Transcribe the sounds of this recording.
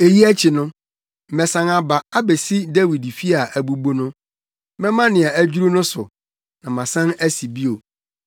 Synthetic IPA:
e˨ji˦æ˦t͡ɕʰɪ˨nʊ̃˦˨ | mɛ̃˨sã˨ŋa˨ba˨a˦be˨si˦da˦wi˨dfi˦a˨ʔæ˨bu˦bo˦nʊ̃˦ | mɛ̃˦mã˦nɪ̃˨a˨æ˦d͡ʑu˦ɾu˦nʊ̃˦sʊ̰˨ | nã˨mã˨sã˦næ˦si˨bi˦o˨

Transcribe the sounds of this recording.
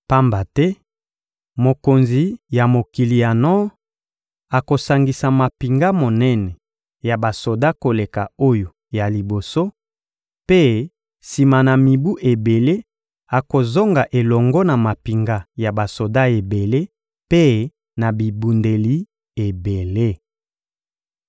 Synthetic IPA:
pa˦mba˨tɛ˦ | mo˨ko˨nzi˨ja˨mo˨ki˨li˨ja˨nɔ˦ | a˨ko˨sa˨ŋɡi˨sa˨ma˨pi˨ŋɡa˦mo˨nɛ˦nɛ˨ | ja˨ba˨so˨da˦ko˨le˨ka˨o˦jo˨ | ja˨li˨bo˨so˦ | pe˦ | si˨ma˨na˨mi˨bu˦ʔe˨be˨le˦ | a˨ko˨zo˦ŋɡa˨ʔe˨lɔ˨ŋɡɔ˦na˨ma˨pi˨ŋɡa˦ja˨ba˨so˨da˦e˨be˨le˦ | pe˦ | na˨bi˨bu˨nde˨li˦ | e˨be˨le˦

